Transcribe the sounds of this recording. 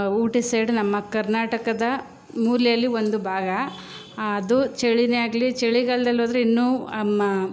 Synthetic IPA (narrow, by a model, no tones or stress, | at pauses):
uːʈisɐjɖnɐmːɐkɐɾnaːʈɐkɐd̪ɐ | muːlɐjɐlːio̞nd̪ubʱaːɡɐː | d̪ut͡ʃeɭinejaːɡɐlit͡ʃeɭiɡɐɭɐd̪ɐlːoːd̪ɐɾeinːuːɐmːɐ